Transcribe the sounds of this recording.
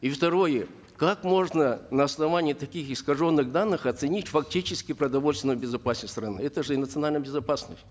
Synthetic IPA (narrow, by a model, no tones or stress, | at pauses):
ift̪ɐɾo̞jə | kakmo̞ʐnənəːsnɐvanʲɪjɪt̪ɐkʲixɪskɐʐo̞nːɨxd̪anːɨxɐt̪sɨnʲitʲfɐktʲit͡ɕɪskʲɪpɾəd̪ɐvolʲst̪ʲɪnəjbʲɪzɐpasʲnəst̪ɾɐnɨɛt̪əʐɨɪnət̪sɨɐnalʲnəjbʲɪzɐpasnəsʲtʲ